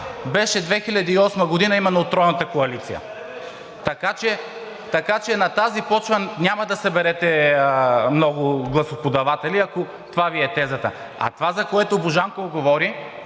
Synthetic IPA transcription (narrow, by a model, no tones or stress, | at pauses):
bɛʃɛd̪vɛxilʲɐd̪iːɔsmɐɡod̪inɐimɛnːoːt̪ɾɔjnɐt̪ɐkoɐlit̪sijə̰ | t̪ɐkat͡ʃɛ | t̪ɐkat͡ʃɛnɐt̪azipɔt͡ʃvɐnʲamɐd̪ɐsɐbɛɾɛt̪ɛ | mnɔɡʊɡlˠɐsopod̪ɐvat̪ɛliɐko | t̪ovaviɛt̪ɛzɐt̪ə̰ | ɐ̰t̪ovazɐkoɛt̪oboʒaŋkovɡovɔɾi